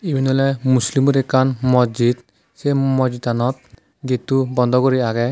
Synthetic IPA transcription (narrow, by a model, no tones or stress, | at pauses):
ibʱinɔlamuslimuɾɛkanmɔd͡ʒid̪ | semɔd͡ʒit̪anɔt̪̚ | ɡit̪ubɔnd̪ʱɔkɔɾiaɡɛ